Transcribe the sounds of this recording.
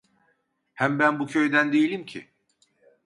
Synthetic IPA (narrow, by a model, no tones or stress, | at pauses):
hæmbænbucʰø̞jd̪ænd̪ejilʲimcʰɪ̰